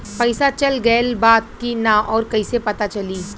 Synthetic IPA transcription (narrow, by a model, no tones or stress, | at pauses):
pɐɪsat͡ʃɐlɡɐlbaːt̪̚kinaʔɔːɾkɐisepɐt̪at͡ʃɐliː